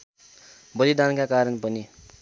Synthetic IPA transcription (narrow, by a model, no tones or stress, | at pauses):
bʌlid̪ankakaɾʌnpʌni